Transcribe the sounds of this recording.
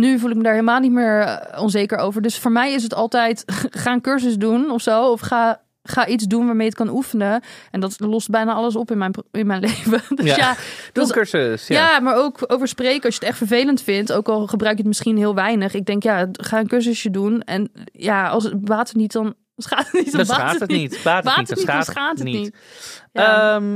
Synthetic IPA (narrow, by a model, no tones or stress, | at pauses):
nyvulˠɪkmədaːɹɦeləmaːlˠnitmɪːɹɔnzejkəɹowvəɹdɵsfʊːɹmɛjɪs̬ətɑlˠtɛjtχaːnkøɹs̬əsdunɔfsowɔfχaː | χaːʔitzdunʋaːɹmejət̚kɑnʔufənəɛndɑtlɔst̚bɛjnaːɑləs̬ɔpɪnmɛnɪnmɛjnlejvədøjadssəsjaːmaːɹowkowvəɹsprejkəɑsjətɛχtfəɹvejləntfɪntowkɑlˠχəbrœɥkjətmɪsχinɦɪːlˠʋɛjnəχɪɡ̚dɛŋkjaːχaːənkøɹsəsjədunɛnjaɑ̰lˠsʋaːtənitdɑn | sχaːtənitdaaitaːʋaːəsχaːtənitjəm